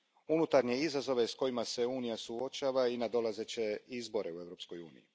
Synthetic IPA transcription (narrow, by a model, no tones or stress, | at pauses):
unut̪aɾɲe̞izazo̞ʋe̞sko̞jimase̞uːnijasuo̞t͡ʃaːʋainad̪o̞laze̞t͡ɕe̞izbo̞ɾʔe̞ue̞ʋɾo̞pskojṵːnḭjḭ